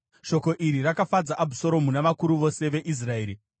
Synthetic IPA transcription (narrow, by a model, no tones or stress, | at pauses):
ʃo̞ko̞ʔiɾirakafad͡zaʔabʱuso̞ɾo̞munaʋakuɾuʋo̞se̞ʋe̞ʔis̬rae̞ːɾi